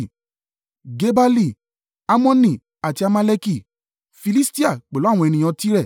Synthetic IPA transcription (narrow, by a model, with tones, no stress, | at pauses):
ɡe˦ba˦li˦˨ | a˦mɔ̃˦nĩ˦˨ | a˨ti˧a˧mã˦lɛ˦ki˦˨ | fi˧li˦sti˦a˦˨k͡pe˨lɔ˦˨wɔ̃˧ɛ˧nĩ˧j̃ã˧ti˦ɾɛ˦˨